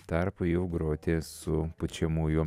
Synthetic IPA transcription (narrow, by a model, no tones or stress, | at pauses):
t̪ɑɾpʊjɛʊɡɾoːt̪ʲeːsʊpʊt͡ʃʲɛmuːjʊ